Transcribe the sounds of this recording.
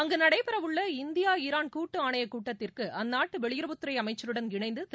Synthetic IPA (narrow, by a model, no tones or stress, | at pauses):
ɐŋɡɐnɐɽɐɪpɪɾɐʋɯɭːɐɪnd̪ɪjaːɪɾaːnkuːʈːɯaːɳɐjɐkuːʈːɐt̪ːɪrkɯʔɐnːaːʈːɯʋɛɭɪjɪɾɐbʊt̪ːɯɾɐɪɐmɐɪt͡ʃːɐɾɯɽɐnɡɪɳɐɪnd̪ɯt̪